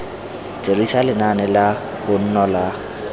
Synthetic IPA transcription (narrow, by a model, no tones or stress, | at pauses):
t͡sʼerisalɪnanɛla | bʊn̩nɔla